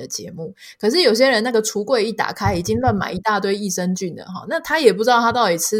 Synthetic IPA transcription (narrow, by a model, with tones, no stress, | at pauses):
ə˩t͡ɕjɛ̰˧˦mu˥˩ | kʰɤ˨˩ʂ̬ɻ̩˥˩jo˨˩ʊɕ̬jɛ˦˥ɻə˧˦na˥˩ɡə˩ʈ͡ʂʰu˧˥kwe˥˧ɪi˥˩t̪a̰˨˩kʰa˥ɪi˨˩t͡ɕi˦˥ŋla˥˩nma̰˨˩ɪi˧˥t̪a˥˧t̪̬we˥˧ɪi˥˩ʂə˦ŋt͡ɕy˥˩nlə̰˩ɦɔ̰˨˩na˥˨t̪ʰa˥jɛ˨˩p̬u˥˩˧ɑ˥˧ʊa˥t̪ɑ˥˩ʊt̪i˨˩t͡sʰɹ̩˥